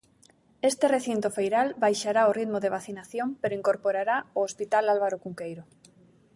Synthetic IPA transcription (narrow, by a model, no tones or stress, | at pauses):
est̪ereθint̪ofejɾalβajʃaɾaorit̪moðeβ̞aθinaθjompeɾoiŋkoɾpoɾaɾaoospit̪alalβaɾokuŋkejɾo